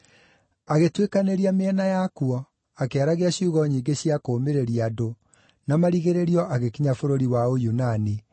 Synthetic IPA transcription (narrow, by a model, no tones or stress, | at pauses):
aɣetwekaneɾiameɛnajakuɔ | akeaɾaɣeaɕiuɣɔɲiːɡeɕiakoːmeɾeɾiado | namaɾiɣeɾeɾiɔʔaɣekiɲafoɾoɾiwaojunani